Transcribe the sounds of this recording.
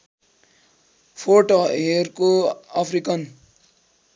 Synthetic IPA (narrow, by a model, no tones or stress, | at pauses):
pʰoʈoeɾkoapʰɾikʌn